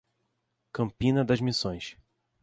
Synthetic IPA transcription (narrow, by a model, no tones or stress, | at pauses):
kɐ̃mpĩnɐd̪ɐʒmisõj̃ʃ